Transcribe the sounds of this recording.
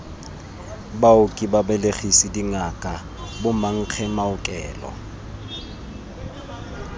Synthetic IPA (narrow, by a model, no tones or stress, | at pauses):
baʊkʼibabɛleχisidiŋakʼa | bʊmaŋ̩k͡xʰɛmaʊkʼɛːlɔ̰